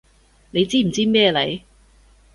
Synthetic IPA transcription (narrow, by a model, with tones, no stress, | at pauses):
ne˨˧jt͡siː˥m̩˨˩t͡siː˥mɛː˥˧lɐ˨˥j